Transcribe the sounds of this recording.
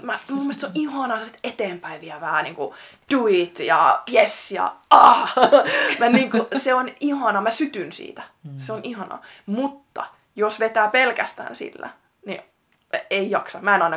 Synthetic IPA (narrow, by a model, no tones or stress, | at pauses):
mæmumːiest̪soʔihɑnɑsesit̪et̪eːmpæiʋiæʋæhæniːŋku | d̥uit̪jɑ̰jesjɑ̰ɑː | mæniːŋkuseonihɑnɑmæsyt̪ynsḭːt̪æ̥seonʔihɑnɑ̰mut̪ːɑ̰ | josʋet̪æːpelkæ̰st̪æ̰ːnsḭlːæ̰ | nḭ | eijɑksɑmæenɑinɑ